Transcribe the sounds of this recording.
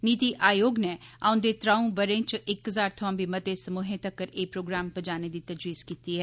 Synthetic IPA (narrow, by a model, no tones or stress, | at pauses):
niːt̪iːʔʔaːjoːɡnɛːa̰ːʊ̃nd̪eːt̪ɾaːũbəɾẽːt͡ʃʔɪkɦəzaːɾt̪ʰʊãːbʱiːmət̪esəmuːɦẽːt̪əkːəɾeːpɾoːɡɾaːmpəd͡ʒaːneːd̪iːt̪əd͡ʒɾiːskiːt̪iːɦɛː